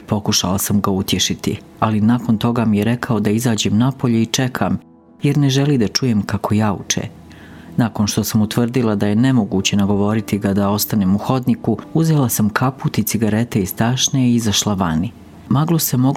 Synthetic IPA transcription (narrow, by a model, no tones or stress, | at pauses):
po̞kuʃa̰lasamɡaut̪jeʃit̪ḭ | alinaːko̞nt̪o̞ɡamijeɾe̞kʰaod̪aizaːd͡ʑe̞mnapo̞ʎeit͡ʃe̞kʰam | jeɾne̞ʒelid̪at͡ʃuje̞mkakʰo̞jaːṵt͡ʃḛ | naːko̞nʃt̪o̞samut̪ʋr̩d̪ilˠad̪aje̞ne̞mo̞ɡuːt͡ɕe̞naɡo̞ʋo̞ɾit̪iɡad̪ao̞st̪anemuxo̞d̪nikuuze̞lasamkʰaput̪it̪siɡaɾe̞t̪e̞ist̪aːʃneizaʃlaʋani | maɡlˠosemo̞